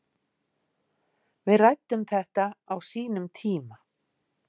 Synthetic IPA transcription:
vɪðrajt̪ːʏmθɛht̪aːwsiːnʏmt̪ʰiːma

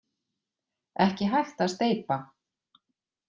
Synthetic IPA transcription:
ɛhcɪɦajxt̪aðst̪eːjpa

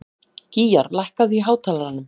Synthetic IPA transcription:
ciːjaɾlajhkaðiɦaːwt̪ʰaːlaɾanːʏm

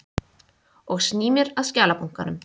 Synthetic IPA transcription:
ɔɣsniːmɪɾaðscaːlapuŋ̥kanʏm

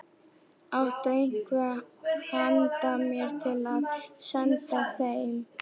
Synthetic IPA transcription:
awht̪œeŋ̥kvʏhant̪amjɛɾ̥t̪ʰɪlaðsɛnt̪asejɪn

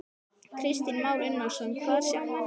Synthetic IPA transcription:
kʰɾɪst̪inmawɾɪnːḁsɛnkʰvaːðɾ̥sa

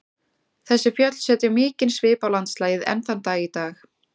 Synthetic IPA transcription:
θɛsːɪfjœt̪l̥sɛːt̪ɪamɪːcɪnsvɪːpawlant̪slaːjɪðɛ̰nθant̪aːɣit̪aːx

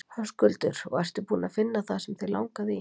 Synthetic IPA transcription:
haskʏlt̪ʏɾɔ̰ɣajst̪ʏpuːnafɪnːaθasɛmθela̰wŋkaðɪ

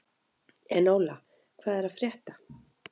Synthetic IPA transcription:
ɛnːoːwla | kʰv̥aːðɛɾaðfɾjɛːht̪ḁ

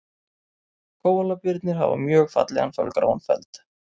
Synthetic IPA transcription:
kʰoːwalapɪɾt̪nɪɾ̥ɦa̰va̰mjœːɣfa̰t̪lɛɣanfœ̰lkɾa̰wanfɛlt̪

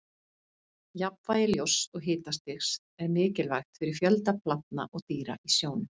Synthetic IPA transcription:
japvaːjɪljowsɔɣɦɪːt̪ast̪ɪxs | ɛɾmɪːcɪlvajxt̪fɪɾɪɾ̥fjœlt̪apʰlap̪̚na̰ʔɔɣt̪iːɾa̰isjoːwnʏm

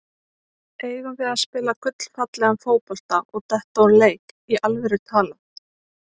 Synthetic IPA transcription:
eːjvʏnvɪðaspɪːlakʰʏt̪l̥fat̪lɛɣanfoːwpɔl̥t̪aʔɔɣt̪ɛht̪awɾleːjkiʔalvɛɾɪt̪ʰaːla

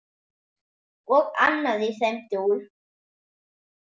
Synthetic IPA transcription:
ɔɣa̰nːaðɪθɛm̥t̪ɪul

